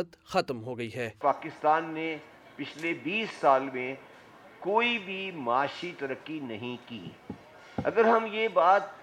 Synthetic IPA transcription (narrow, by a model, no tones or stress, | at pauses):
ət̪xɐt̪mɦoɡɐiɦɛːpaːkɪst̪aːnːe | pɪt͡ʃʰlebiːsːaːlmẽ | koːibʱimaːʃit̪ɐɾəkːinɐɦĩkḭː | ɐ̰ɡəɾɦɐmjeːbaːt̪̚